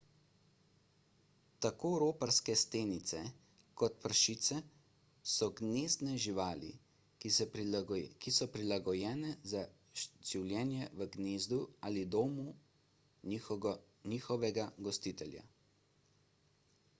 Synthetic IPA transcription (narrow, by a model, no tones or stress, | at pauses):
t̪akoːɾoːpaɾskɛst̪eːnit̪sɛ | kɔt̪pəɾʃiːt̪sɛ | sɔɡneːzd̪nɛʒiʋaːlḭ | kisɔpɾilaɡɔjɛːnɛza | ʒ̥iwlʲjɛːnjɛʋəɡneːzd̪uaːlid̪oːmu | niːxɔʋɛɡaɡɔst̪it̪ɛlja̰